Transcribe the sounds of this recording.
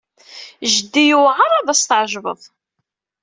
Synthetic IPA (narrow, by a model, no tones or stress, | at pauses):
ʒəd̪ːijuʁaɾˤaðˤæst̪ʕʒβə̰ðˤ